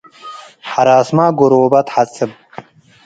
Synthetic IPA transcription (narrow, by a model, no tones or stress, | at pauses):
ħaɾaːsmaːɡoɾobat̪ʰħat͡sʼɨb